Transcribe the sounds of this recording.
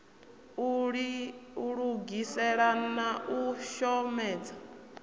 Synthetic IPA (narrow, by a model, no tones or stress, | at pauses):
ɺiuɺuɡisɛɺanaʔuʃɔmɛːd͡zḁ